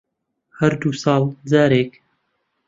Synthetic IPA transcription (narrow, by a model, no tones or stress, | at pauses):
hɐɾd̪uːsɑːld͡zaːɾeːk